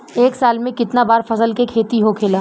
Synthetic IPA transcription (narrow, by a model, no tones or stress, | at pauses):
eːksaːlmẽkɪt̪nabaːɾfɐsəlkekʰeːt̪iɦokʰeːlaː